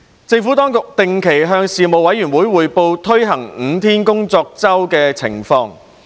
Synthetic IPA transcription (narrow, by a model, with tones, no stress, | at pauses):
t͡sɪ˧ŋfuː˨˥t̪ɔː˥ŋkʊ˨k̚t̪ɪ˨˧ŋkʰe˨˩jɦœː˧ŋsiː˨mo˨wɐ˨˥jyː˨˩nwuː˨˥jwuː˨˧jpo˧wt̪ʰɵ˥ɥɦɐ˨˩ŋ̩˨˥˦t̪ʰiː˥nkʊ˥ŋt͡sɔː˧k̚t͡sɐ˥wkɛː˧t͡sʰɪ̰˨˩ŋfɔː˧ŋ